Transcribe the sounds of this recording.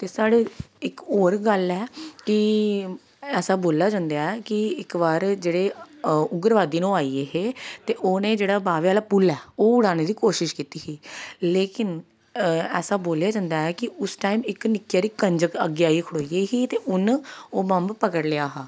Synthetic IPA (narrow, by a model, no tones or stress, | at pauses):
t̪eːsaːɽeːɪkoːɾɡəlɛːkɪ | ɛːsaːboːlaːd͡ʒãːnd̪aːɛːkɪɪkʋaːɾd͡ʒeːɽeːʊɡəɾʋaːd̪iːnõːaːiːeːɦeːt̪eːʔoːnẽːd͡ʒeːɽaːbaːʋeaːlaːpulɛːoːʊɽaːñeːd̪iːkoːʃɪʃkiːt̪iːɦiːleːkɪn | ɛːsaːboːljaːd͡ʒãːnd̪aːɛːkɪʊsʈaːimɪknɪkjaːɾiːkəɲd͡ʒəkəɡjaːikʰʊɽoːiːeːɦiːt̪eːʔʊnoːbəmbpəkəɽleaːɦaː